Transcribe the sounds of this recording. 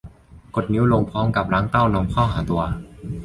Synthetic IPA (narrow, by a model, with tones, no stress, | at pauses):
ko˨˩t̪̚ni˨˦˥wlo˧ŋpʰɔː˦˥mka˨˩p̚ɾaː˦˥ŋt̪a˥˩wnɔ˧mkʰɔː˥˩wɦaː˩˦t̪u˧ɐ